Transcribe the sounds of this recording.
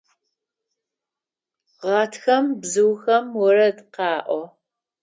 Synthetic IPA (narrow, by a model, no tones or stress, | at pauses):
ʁɑːtʰxɐmbzɨwxɐmwɔɾɐdqɑːʔʷɔ